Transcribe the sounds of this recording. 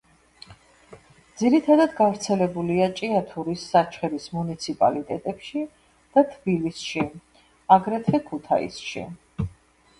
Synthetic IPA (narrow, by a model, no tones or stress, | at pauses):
d̪ziɾit̪ʰad̪ad̪ɡavɾt̪sʰɛlɛbuliat͡ʃʼiat̪ʰuɾisːat͡ʃʰχɛɾismunit̪sʰipʼa̰lit̪ʼɛt̪ʼɛpʃi | d̪̥at̪ʰbilisʃi | aɡɾɛt̪ʰvɛkʰut̪ʰa̰ḭsʃḭ